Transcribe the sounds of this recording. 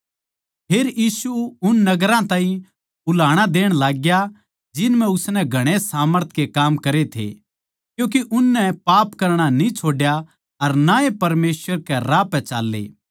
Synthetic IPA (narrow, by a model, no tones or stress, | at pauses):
pʰeːɾjiːsuʊnːɐɡɾãt̪ãːɦĩ | bʊlaːɽ̃ad̪eːɽ̃laːɡja | d͡ʒɪnmɛ̃ʊsnɛ̃ɡʱɐɽ̃esaːməɾt̪ʰkekaːmkɐɾet̪ʰḛ | kjũːk̬iʔʊnːɛpaːpkɐɾɽ̃anĩt͡ʃʰoːɖja | ɐɾnaepɐɾmeːsʋəɾkɛɾaːpɛ̃t͡ʃa̰ːlːḛː